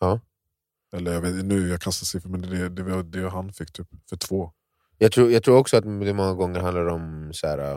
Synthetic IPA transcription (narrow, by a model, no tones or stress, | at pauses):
ɑː | ɛlːəɾjɑɡveːt̪nʉ̟ːjɑkʰanst̪asɪfəmɛnd̪ɛd̪ɛvad̪ɛɦanfɪkːt̪ʰyːpfœʈʰv̥oː | jɑːɡ̚t̪ʰɾuːjɑɡ̚t̪ʰɾuːɾɔksɔat̪d̪ɛmɔŋːaɡɔŋːəɾhand̪laɾɔmsæːɾa̰